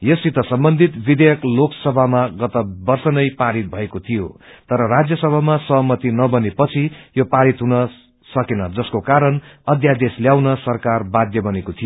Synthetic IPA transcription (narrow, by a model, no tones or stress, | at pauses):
jʌsit̪ʌsʌmbʌnd̪ʱit̪bid̪ejʌkloksʌbʱamaɡʌt̪ʌbʌrsʌnʌjpaɾit̪̚bʱʌekot̪ʰijo̰t̪ʌɾʌrad͡zjʌsʌbʱamasʌɦʌmʌt̪inʌbʌnepʌt͡sʰijopaɾit̪ɦunʌ | sʌkenʌd͡zʌskokaɾʌnʌd̪jad̪esljawnʌsʌrkarbad̪jʌbʌnekot̪ʰijo